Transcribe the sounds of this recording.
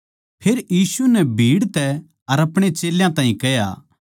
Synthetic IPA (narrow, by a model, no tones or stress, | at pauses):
pʰeːɾjiːsunɛbʱiːɽt̪ɛ | ɐɾɐpɽ̃et͡ʃeːljãt̪ãːɦĩkɛja̰ː